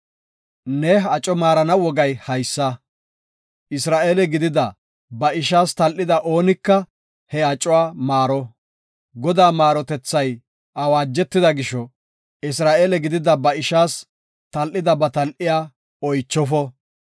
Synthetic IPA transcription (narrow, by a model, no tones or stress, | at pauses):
nɛɐt͡ʃʼɔmaːɾɐnɐwɔɡɐjhɐjsːɐ | ʔɪsɾaːʔeːlɛɡɪd̪ɪd̪ɐ | bɐɪʃ̬aːst̪ɐlʔɪd̪ɐʔo̞ːnɪkːɐ | hɛɐt͡ʃʼɔwaːmaːɾɔ | ɡɔd̪aːmaːɾɔt̪ɛt͡sːɐj | ʔɐwaːd͡ʒːɛt̪ːɪd̪ɐɡɪʃɔ | ɪs̬ɾaːʔeːlɛɡɪd̪ɪd̪ɐbɐɪʃaːs | t̪ɐlʔɪd̪ɐbɐt̪ɐlʔɪjaː | ɔjt͡ʃːɔfɔ